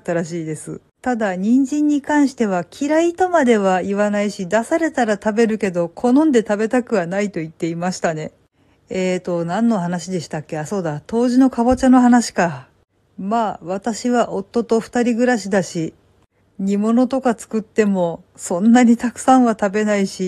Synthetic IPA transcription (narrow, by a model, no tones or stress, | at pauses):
t̪ːaɾaɕiːd̪e̞sɨ̰ | t̪ad̪aɲ̟ĩɲd͡ʑĩɲ̟ːikãɰ̃ɕi̥t̪e̞β̞akʲʰiɾait̪o̞mad̪e̞β̞aiβanaiɕid̪asaɾe̞t̪aɾat̪abe̞ɾɯ̟ke̞d̪o̞kʰo̞nõ̞nd̪e̞t̪abe̞t̪akɯ̟βanait̪o̞it̪ːe̞imaɕi̥t̪ane̞ | et̪o̞nãnːo̞ɦanaɕid̪e̞ɕi̥t̪akʲːe̞aso̞ːd̪at̪o̞ːʑino̞kabo̞t͡ɕano̞ɦanaɕi̥ka | maːβat̪aɕiβaʔo̞t̪ːo̞t̪o̞ɸɯ̥t̪aɾʲiɡɯ̟ɾaɕ̬id̪aɕi | ɲ̟imo̞no̞t̪o̞kat͡sɨ̥kɯ̟t̪ːe̞mo̞ | sõ̞nːaɲ̟it̪akɯ̟̥sãɰ̃βat̪abe̞naiɕi